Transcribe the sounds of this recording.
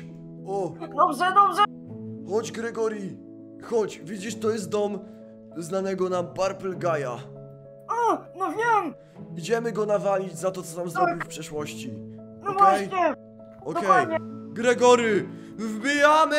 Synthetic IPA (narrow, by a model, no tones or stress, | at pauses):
ɔd̪ɔbʐɛd̪ɔbʐɛ | xɔd͡ʑɡɾɛɡɔɾji | xɔt͡ɕvʲid͡ʑiʂt̪ɔjɛst̪̚d̪ɔm | znanɛɡɔnabaɾpɛlɡaja | ɔnɔvʲjɛm | id͡ʑɛmɘɡɔnavalʲid͡ʑzat̪ɔt̪ɔnamzɾɔbbʲifpʂɛʂwɔɕt͡ɕi | nɔvwaɛjɲɛ | ɔkd̪ɔkɛadj̪ɲɛɡɾɛɡɔɾjɘ | vbʲijamɘ